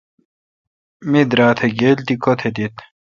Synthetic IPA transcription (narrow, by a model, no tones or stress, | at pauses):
mid̪ɾaːt̪ʰeɡeːlt̪ikot̪ʰed̪it̪